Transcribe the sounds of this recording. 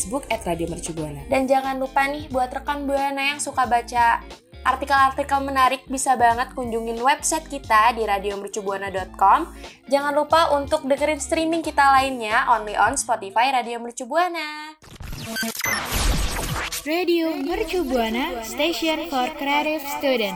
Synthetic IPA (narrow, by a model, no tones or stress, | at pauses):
sbukɛt̪radiomərt͡ʃubuanadand͡ʒaŋanlupanɪhbuat̪rəkambuanajaŋsukabat͡ʃa | ʔːrt̪ikalart̪ikalmənaɾɪk̚bisabaŋət̪̚kuɲd͡ʒuŋɪnwɛbsajt̪̚kit̪adiɾadiomərt͡ʃubuanadɔt̪̚kɔm | d͡ʒaŋanlupaʔunt̪ʊk̚dəŋəɾɪnst̪ɾimɪŋkit̪alaɪnɲaʔɔnliʔɔnspɔt̪ifajɾadiomərt͡ʃubuana | radiomərt͡ʃubuanast̪eʃiɔnfɔrkɾeaɾifst̪udɛn